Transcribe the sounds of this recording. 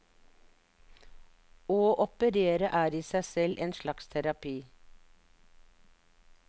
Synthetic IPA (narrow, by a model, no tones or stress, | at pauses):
oːʔɔpəɾeːɾəʔæːɾiːsæɪsɛlʔeːnʃlɑkst̪ʰæɾɑpʰiː